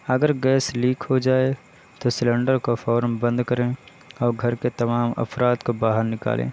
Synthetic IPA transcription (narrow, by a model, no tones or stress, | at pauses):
ɐɡəɾɡɛːsliːkʰɦod͡ʒaːe | t̪osɪlɛ̃ːɳɖəɾkofɔːɾmbə̃nd̪kɐɾẽː | ɔːɾɡʱɐɾket̪ɐmaːmɐ̰fɾaːt̪kobaːɦəɾnɪka̰ːlʔḛ̃ː